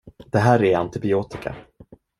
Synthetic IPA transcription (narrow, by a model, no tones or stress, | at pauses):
d̪̥ɛɦæːɾɛɾant̪ɪbɪoːt̪ɪka̰